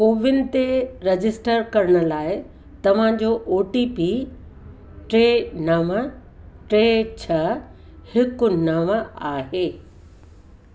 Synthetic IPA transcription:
koːʋɪnɪ̆t̪eɾɐd͡ʑɪsʈəɾkɐɾɪɽ̃ʊ̆laːɪ | t̪ɐʋ̤ãd͡ʑoʔoːʈipi | ʈɾeːnɐʋəʈɾeːt͡ɕʰɐ | hɪkʊ̆nɐʋaːɦeː

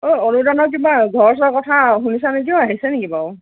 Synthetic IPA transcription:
ojɔɹudanɔk̬ibaɡʱɔɹɔsɔkɔtʰaɦunisanekiɔaɦisɛnekibaw

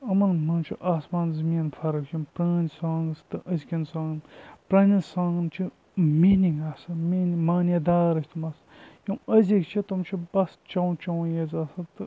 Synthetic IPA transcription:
ɐmɐnmɐnt͡ʃʰiʔaːsmaːnzɐmiːnfʰɐɾɐkjɐmpɾaːnʲsãːŋɡst̪ɨʔɐzkʲinsãːŋnpɾãːnʲinsãːŋɡɨnt͡ʃʰi | miːniŋɡaːsɐminimaːnjɐd̪aːɾɐsʲt̪ʰumɐs | jɐmɐzʲikt͡ʃʰit̪umt͡ʃʰibɐst͡ʃɐwt͡ʃɐwjezaːsɐt̪ɨ

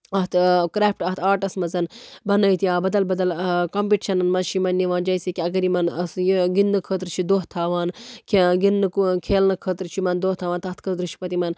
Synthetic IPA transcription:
ɐt̪kɾeːp̚ʈɐht̪ʰaːɾʈɐsmɐzɐnbɐnɐit̪iãːbɐd̪ɐlbɐd̪ɐlkɐmpiʈiʃɐnɐnmɐnt͡ʃʰimɐnːiʋaːnd͡ʒɐːsekʲiɐɡɐɾimɐnɐsjiɡinːɨkʰəːt̪ɾt͡ʃʰid̪oːɦt̪ʰːaːʋaːnkʰeɡinːɨkukʰeːlnɐkʰəːt̪ɾt͡ʃʰimɐnd̪oːht̪ʰːaːʋaːnt̪ɐt̪kʰət̪̬ɾɨt͡ʃʰi̥pɐt̪imɐn

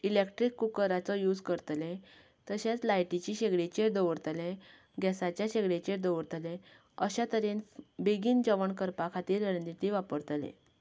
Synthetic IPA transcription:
ilekʈɾikːukəɾat͡sɔjuːd͡zkəɾt̪lẽ | t̪əɕat͡slajʈit͡ɕiɕeɡɽet͡ɕeɾd̪əʋəɾt̪lẽ | ɡɛsat͡ɕjaɕeɡɽet͡ɕeɾd̪əʋəɾt̪lẽ | əɕat̪əɾenbeɡiːnd͡ʑəʋəɳkəɾpakʰat̪iːɾːənit̪iʋapəɾt̪lḛ̃

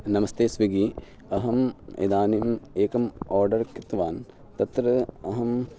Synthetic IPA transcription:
nɐmɐst̪eːsʋiɡi | ɐɦɐmḛd̪aːnimeːkɐmoːɾɖɐɾkit̪ʋaːn | t̪ɐt̪ɾɐɐɦɐm

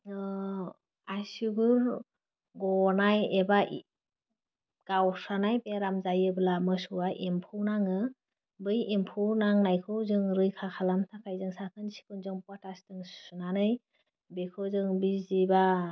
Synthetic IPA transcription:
asiɡɯɾ | ɡɔnajebaʔ | ɡ̥awsanajbeɾamzajɯbɯlamɯsuwaʔimpʰɯwnaŋɯ | bɯjimpʰuwnaŋnajkʰɯwzɯŋɾɯjkʰakʰalamtʰakʰajzɯŋsakʰɯnsi̥kʰɯnzɯŋpatastɯŋsunanɯj | bekʰɯwzɯŋbiziba

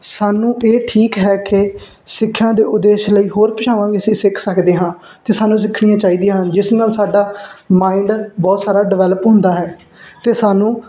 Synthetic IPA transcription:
saːnũːʔeːʈʰiːkɦɛːkɪ | sɪkʰːãːd̪eːʔʊd̪eːʃləiːɦoːɾpət͡ʃʰaːʋãːɡiəsĩːsɪkʰsəkd̪eːɦãː | t̪eːsaːnũːs̬ɪkʰɽijãːt͡ʃaːiːd̪ijãːɦaə̃nd͡ʒɪsnaːlsaːɖaːmaːiɳɖbɔːt̪saːɾaːɖɪʋɛːləpɦʊ̃nd̪aːɦɛː | t̪eːsaːnũː

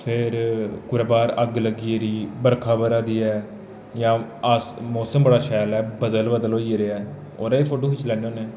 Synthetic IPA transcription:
pʰeɾkʊɾaːbaːɾəɡləɡiːɾiːbəɾkʰaːbəɾaːd̪iːɛː | jãːəsmoːsəmbəɽaːʃɛːlɛːbəd̪əlbəd̪əlɦoːieɾeːɛː | oːɾeeːpʰoːʈoːkɪt͡ʃlɛːneːoːneɛː

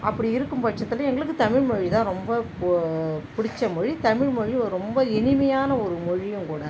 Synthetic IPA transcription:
ɐpːɐɽiɪɾɯkːɯmpɐʈt͡ʃːɐt̪ːɪlɐɛŋɡɐɭɯkːɯt̪ɐmɪɻmɔɻit̪ãːɾɔmbɐ | pʊɽɪt͡ʃːɐmʊɻit̪ɐmɪɻmɔɻiɾɔmbɐɛnɪmɐjaːnɐɔɾɯmɔɻɪjɯ̃mkuːɽɐ

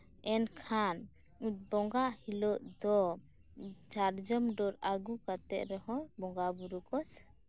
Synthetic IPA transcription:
ɛnkʰan | ut̪̚bɔŋɡaʔhilɔʔd̪ɔ | t͡ʃaɾd͡ʒɔmɖɔɾaɡukat̪ɛʔ̪̚ɾɛɦɔ̃bɔŋɡabuɾukɔs

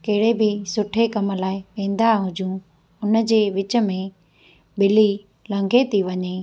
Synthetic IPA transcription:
kɐɦɪɽebɪsʊʈʰekɐm̆laːɪpẽːn̆d̪aɦʊd͡ʑʱũ | ʊnəd͡ʑeːʋɪt͡ɕə̆mẽ | bɪli | lɐ̃ŋɡʱet̪iʋɐɲeː

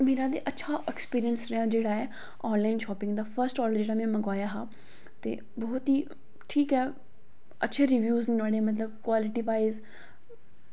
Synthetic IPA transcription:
meːɾad̪eʔɐːʃʰaʔekspiːɾijənsɾɐjãd͡ʑeːɽaːɦe | ɔːnlaːɪnʃɔːpɪ̃ŋɡd̪afɐɾsʈɔːɾləɾd͡ʒeːɽamẽmɐ̃ɡwaːjaɦaː | t̪ḛ | bɐɦʊt̪i | ʈʰiːkɛɛ | ɐːʃʰeɾiʋjuːzʋaːɽemɐt̪̬ləbkwaːlɪʈibaːɪz

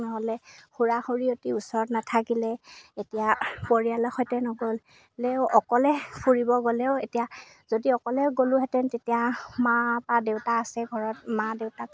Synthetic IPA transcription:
nɔɦɔlɛxuɹaxoɹiotiusɔɹɔtnatʰakilɛetijapoɹialɔxɔjtɛnɔɡɔl | lɛwɔkɔlɛpʰuɹibɔɡolɛʊetija | zodiɔkɔlɛɡoluɦɛtɛntetijamapadeʊtaːsɛɡʱɔɹɔtmadeʊta

